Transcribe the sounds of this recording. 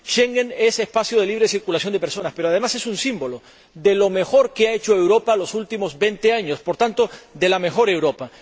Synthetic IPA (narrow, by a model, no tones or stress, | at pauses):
ʃeŋɡene̞se̞spasjoð̞e̞liβɾe̞siɾkulasjo̞nd̪epe̞ɾso̞naspe̞ɾoað̞e̞mase̞sunsimbo̞lo̞ | ðelo̞me̞xo̞ɾkeae̞t͡ʃo̞e̞wɾo̞palo̞sult̪imo̞zbe̞nt̪e̞aɲo̞spo̞ɾt̪ant̪o̞ðe̞lame̞xo̞ɾe̞wɾo̞pa